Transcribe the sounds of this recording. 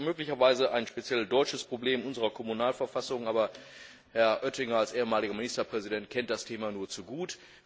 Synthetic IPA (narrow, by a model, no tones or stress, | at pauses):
møːklɪçɐvaɪzəaɪnʃpet͡sjɛldɔʏt͡ʃəspʁ̥obleːmʔʊnzəʁɐkʰɔmunaːlfɛɐfasʊŋʔaːbɐ | hɛɐʔœtɪŋɐalsʔeːəmaːlɪɡɐmɪnɪstɐpʁ̥ɛzidɛntkʰɛnt̚d̥astʰeːmanuːɐt͡suɡuːt